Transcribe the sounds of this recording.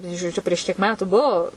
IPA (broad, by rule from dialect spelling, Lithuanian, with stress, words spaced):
nɐ ɪ ʒoːˈd͡ʒʲʊ pʲrʲiɛʃ kʲiɛk ˈmʲæːtʊ ˈbuɔ